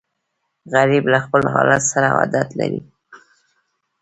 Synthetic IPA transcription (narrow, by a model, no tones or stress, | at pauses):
ɣaɾiblaxpəlɦɑlat̪saɾawa̰d̪at̪laɾi